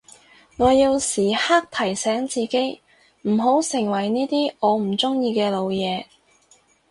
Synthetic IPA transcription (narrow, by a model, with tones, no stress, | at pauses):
ŋɔː˨˧ji˧wsiː˨˩haː˥k̚t̪ʰɐ˨˩jsɛː˨˥ŋt͡siː˨˧ke˥j | m̩˨˩ɦo˨˥wsɪ˨˩ŋwɐ˨˩jniː˥t̪iː˥ʔɔː˨˧m̩˨˩t͡sʊ˥ŋjiː˧kɛː˧lo˨˧wjɛː˨˧